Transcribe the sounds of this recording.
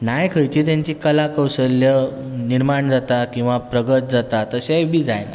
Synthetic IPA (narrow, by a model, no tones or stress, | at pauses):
najkʰəjt͡ɕiːt̪jãɲt͡ɕikəlakəwsəljəniɾmaɳd͡zat̪akĩw̃ʋapɾəɡət̪̚d͡zat̪at̪əsajbʱiːd͡za̰jna̰